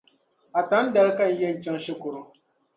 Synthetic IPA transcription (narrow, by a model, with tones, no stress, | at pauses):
a˨ta˨˦n̩˦da˨ɾka˦˨n̩˦jɛ˦n̩˨t͡ʃa˦ŋ˦ʃɪ˦kʊ˨ɾʊ˦